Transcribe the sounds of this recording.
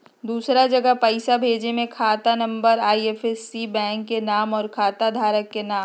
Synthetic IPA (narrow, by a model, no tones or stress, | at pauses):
d̪uːsɾad͡ʒɐɡəɦpəɪsabʱeːd͡ʒemẽkʰaːt̪anɐ̃mbəɾaːieːfʰɛsːibɛ̃ːŋkːenaːmɔːɾkʰaːt̪ad̪ʱaːɾəkːenaːm